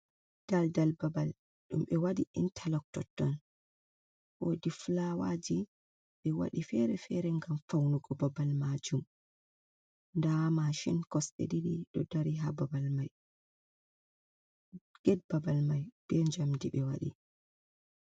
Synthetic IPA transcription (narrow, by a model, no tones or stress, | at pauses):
d̥aldalbabal | ɗumɓɛwaɗiʔintʰalɔk̚tɔ̰tːɔn | ʔodiflawad͡ʒi | ɓɛwa̰ɗifɛɾɛfɛɾɛŋɡamfawnuɡɔbabalmad͡ʒum | ndamaʃinkɔsɗḛdiɗiɗɔdaɾiɦababalmaj | ɡ̥ɛd̚babalmajb̥ɛɲd͡ʒamdiɓɛwaɗḭ